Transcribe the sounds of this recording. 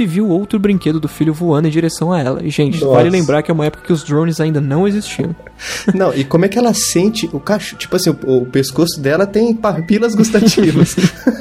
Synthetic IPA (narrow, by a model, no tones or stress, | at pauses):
ɪviwowt̪ɾʊbɾĩŋked̪ʊd̪ʊfiʎjʊvuɐ̃nd̪ʊẽd͡ʒiɾesɐ̃w̃ɐɛlɐ̰ɪʒẽnt͡ʃɪvalɪlẽmbɾaɾkɪɛũmɐɛpʊ̥kɐkɪʊzd̪ɾõw̃nɪzaĩnd̪ɐnɐ̃w̃ezist͡ʃiɐ̃ | nɐ̃w̃ɪkõmʊɛkɪɛlɐsẽnt͡ʃɪʔʊkaʃʊ̥t͡ʃi̥pʊasĩʊʊpeskosʊd̪ɛlɐt̪ẽj̃papilɐzɡus̬t̪at͡ʃivɐs